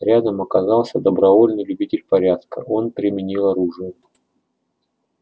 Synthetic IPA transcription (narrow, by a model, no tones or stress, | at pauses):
ɾʲad̪əmɐkɐzɑlˠsʲəd̪əbɾɐvo̞lʲnɨjlʲʉbʲitʲɪlʲpɐɾʲat̪kə̰ʔo̞npɾʲɪmʲɪnʲilˠɐɾuʐɨjʊ